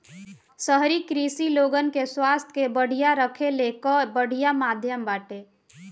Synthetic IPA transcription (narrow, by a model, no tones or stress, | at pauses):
səɦɾikɾisiloːɡənkeswaːst̪ʰkebəɽ̤ijaɾəkʰelekəbəɽ̤ijamaːd̪ʱjəmbaːʈe